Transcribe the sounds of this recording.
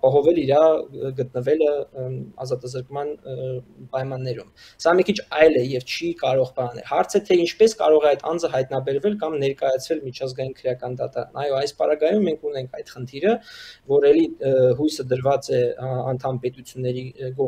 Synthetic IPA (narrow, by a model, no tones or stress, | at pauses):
ɑpɑɦɔvɛliɾɑɡət̪̚nəvɛləɑ̰zɑt̪ɑzəɾkmɑn | pɑjmɑnːɛɾum | sɑməkʰit͡ʃʰɑjlɛjɛvt͡ʃʰikɑɾɔʁbɑɑnɛ̰lhɑɾt͡sʰɛt̪ʰɛint͡ʃʰpɛskɑ̰ɾɔʁɛɑjt̪ʰɑnd͡zəɦɑjt̪nɑbɛɾvɛlkɑmnɛɾkɑjɑt͡sʰvɛlmit͡ʃʰɑzɡɑjinkʰəɾjɑkɑnd̪ɑt̪ɑɾɑ̰nɑjɔɑjspɑɾɑɡɑjumːɛŋkʰunɛŋkʰɑjd̪χənt̪ʰiɾəvɔɾɛliɦujsəd̪əɾvɑt͡sɛɑ̰nt̪ʰɑmpɛt̪ut͡sʰjunːɛɾiɡɔ